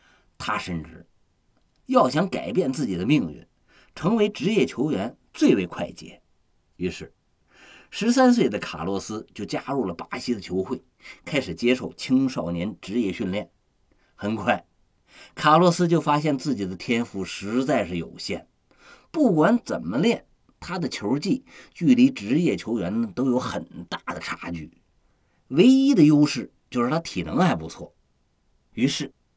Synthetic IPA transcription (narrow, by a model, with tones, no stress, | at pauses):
t̪ʰa˥ʂə˥nʈ͡ʂɻ̩˥˩ | jɑ˥˩ʊɕjɑ˧˥ŋka̰˨˩ɪpjɛ˥˧nt͡sɹ̩˥˩t͡ɕi˨˩d̪ə˦mi˥˧ŋɥḭ˥˩n | ʈ͡ʂʰɤ˧˥ŋwe˧˥ɪʈ͡ʂɻ̩˧˥jɛ˥˩t͡ɕʰjo˧˥ʊjɥɛ˧˥n | t͡swe˥˩ɪwe˧˥ɪkʰwa˥˩ɪt͡ɕjɛ̰˧˥ | i˧˥ʂɻ̩˥˩ | ʂɻ̩˧˥s̬a˥ns̬we˥˩ɪd̪ə˩kʰa̰˨˩lwɔ˧˥sɹ̩˥t͡ɕjo˥˩ʊt͡ɕja˥ɻu˥˩lə˩pa˧˥ɕi˥d̪ə˨t͡ɕʰjo˧˥ʊxwe˥˩ɪkʰa˥ɪʂɻ̩˨˩t͡ɕjɛ˥ʂo˥˩ʊt͡ɕʰi˥ŋʂɑ˥˩ʊnjɛ˧˥nʈ͡ʂɻ̩˧˥jɛ˥˧ɕy˥˧nljɛ˥˩n | xə˨˩nkʰwa˥˩ɪ | kʰa˨˩lwɔ˧˥sɹ̩˥t͡ɕjo˥˩ʊfa˥ɕ̬jɛ˥˧nt͡sɹ̩˥˩t͡ɕi˨˩d̪ə˦t̪ʰjɛ˥nfu˧˥˩ʂɻ̩˧˥t͡sa˥˧ɪʂɻ̩˥˩jo˨˩ʊɕjɛ̰˥˩n | pu˥˩kwa˧˥nt͡sə˨˩nmə˦ljɛ˥˩n | t̪ʰa˥d̪ə˨t͡ɕʰjo˧˥t͡ɕi˥˧t͡ɕy˥˩li˧˥ʈ͡ʂɻ̩˧˥jɛ˨˩t͡ɕʰjo˧˥ʊɥɛ˧˥nə˨t̪o˥ʊjo˧˥ʊxə˨˩nt̪a˥˩d̪ə˩ʈ͡ʂʰa̰˧˥t͡ɕy̰˥˩ | we˥ɪi˥d̪ə˨jo˥ʊʂɻ̩˥˩t͡ɕjo˥˧ʂɻ̩˥˩t̪ʰa˥t̪ʰḭ˨˩nɤ˧˥ŋxa˧˥ɪpu˧˥t͡sʰwɔ̰˥˩ | y˧˥ʂɻ̩˥˩